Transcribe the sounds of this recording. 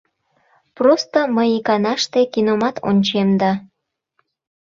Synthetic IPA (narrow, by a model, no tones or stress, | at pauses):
prost̪oməjikɑnɑʃt̪ekinomɑt̪ʰo̰nʲt͡ɕemd̪ɑ